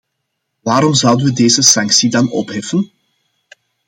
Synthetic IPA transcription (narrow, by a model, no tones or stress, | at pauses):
ʋaːɾɔmzʌwdənʋədeːzəsɑŋksidɑnɔ̰pɦɛfən